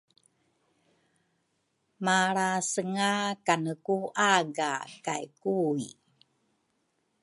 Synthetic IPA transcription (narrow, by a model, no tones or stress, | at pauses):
maɭasəŋakanəkuʔaɡa̰kajkui